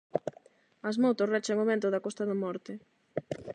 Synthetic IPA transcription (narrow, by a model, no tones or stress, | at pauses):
ɐzmowt̪orɛt͡ʃeŋoβẽnt̪ʊðɐkɔst̪ɐðɐmɔɾt̪ɪ